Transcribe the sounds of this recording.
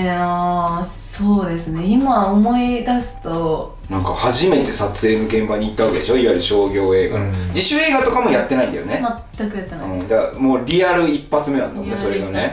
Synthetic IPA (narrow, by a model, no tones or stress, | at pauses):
a | so̞ːd̪e̞sɨne̞imaomo̞id̪asɨ̥t̪o̞ | nãŋkahaʑime̞t̪e̞sat͡sɨeːno̞ɡẽ̞mbaɲ̟iːt̪ːahoked̪eɕo̞iβaɾɯ̟ɕo̞ːɡʲo̞ːe̞ːɡa̰od͡ʑiɕɨe̞ːɡat̪o̞kamo̞jat̪ːe̞naĩnd̪a̰jo̰nemat̪ːakɯjat̪ːenaɯ̃ːd̪amo̞ːɾʲiaɾɯ̟ipːat͡sɨme̞nã̰nd̪amoneso̞ɾe̞ɡane̞